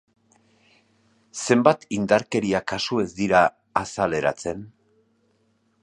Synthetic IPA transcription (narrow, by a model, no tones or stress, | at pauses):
se̞mbat̪ind̪aɾke̞ɾiakasue̞zd̪iɾaː | sale̞ɾa̰t͡se̞n